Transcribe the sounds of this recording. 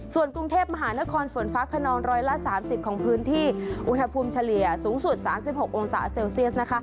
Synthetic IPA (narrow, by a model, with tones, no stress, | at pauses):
su˨˩ənkɾu˧ŋt̪ʰeː˥˩p̚ma˧ɦaː˩˦na˦˥kʰɔː˧nfo˩˦nfaː˦˥kʰa˧nɔː˧nɾɔː˧jla˦˥saː˩˦msi˨˩p̚kʰɔː˩˦ŋpʰɯː˦˥nt̪ʰiː˥˩ʔu˧nha˧pʰuː˧mt͡ɕʰa˧li˨˩əsuː˩˦ŋsu˨˩t̪̚saː˩˦msi˨˩p̚ho˨˩k̚ʔo˧ŋsa̰ː˩˦seː˧wsi˥˩əs̚na˦˥kʰa˦˥ʔ